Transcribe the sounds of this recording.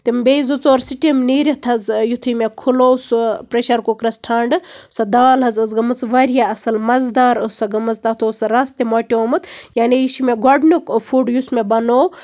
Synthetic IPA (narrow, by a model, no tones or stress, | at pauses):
t̪imbezut͡soːɾsiʈimniːɾʲɐt̪ʰɐzjut̪ʰumekʰuloːsupɾeʃɐɾkokɾɐsʈʰɐɳɖɨsɐd̪aːlɦɐzɐzɡɐmɐt͡sʋɐɾjaɐsɐlmɐzd̪aːɾɨsɐɡɐmɐt͡st̪ɐt̪ʰoːsɐɾast̪emoːʈʲoomɐt̪jaːnejiʃimeɡoɖnukfʰuːɖjusmebɐnoː